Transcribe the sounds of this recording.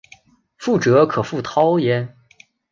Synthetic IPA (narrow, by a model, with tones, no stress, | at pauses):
fu˥˩ʈ͡ʂɤ˧˥kʰɤ˨˩fu˥˩t̪ʰɑ˥ʊjɛ˧˥n